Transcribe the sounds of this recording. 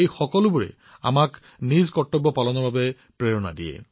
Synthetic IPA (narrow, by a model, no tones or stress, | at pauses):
ejxɔkɔlʊbuɹɛ̰ | a̰mak | nizkɔtːɔbːɔpalɔnɔɹbabɛ | pɹeɹɔna̰dijɛ̰